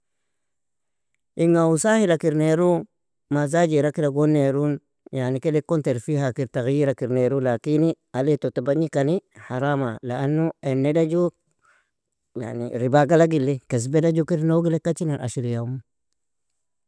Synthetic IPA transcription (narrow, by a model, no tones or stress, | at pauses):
ʔiŋausahilakiɾneɾu | mazad͡ʒiɾakiɾaɡonːeɾun | janikelekːonteɾfihakiɾtaɣijiɾakiɾneɾulakini | aletotabaɲikanihaɾamalaanːuenːedad͡ʒu | ja̰nḭɾibaɡalaɡilːekes̬bedad͡ʒukiɾnoɡilekːat͡ʃinanʔa̰ʃiɾijamu